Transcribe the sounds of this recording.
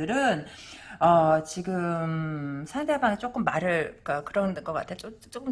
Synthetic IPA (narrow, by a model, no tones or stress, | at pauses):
ɯɾɯnʌt͡ɕiɡɯmsʰandebanet͡ɕ͈ok͈ɯmːaɾɯɭk͈akɯɾʌnɡʌk͈a̰tʰet͡ɕ͈ot͡ɕ͈ok͈ɯm